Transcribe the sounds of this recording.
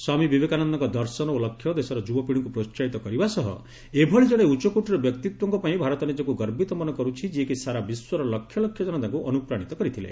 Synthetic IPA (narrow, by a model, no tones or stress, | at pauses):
swamibibekanɔnd̪ɔŋkɔd̪ɔɾsɔnɔolɔkʰːjɔd̪esɔɾɔd͡ʒubɔpiɽɔŋkupɾot͡ʃt͡ʃait̪ɔkɔɾibasɔɦɔ̰ | ebʱɔɭid͡ʒɔɽ̃eut͡ʃɔkuʈiɾɔbjɔkt̪it̪wɔŋkɔpaĩbʱaɾɔt̪ɔnid͡ʒɔkuɡɔɾbit̪ɔmɔnɔkɔɾut͡ʃʰid͡ʒiekisaɾabiswɔɾɔlɔkʰːjɔlɔkʰjɔd͡ʒɔnɔt̪aŋkuʔɔnupɾaɽ̃it̪ɔkɔɾit̪ʰilḛ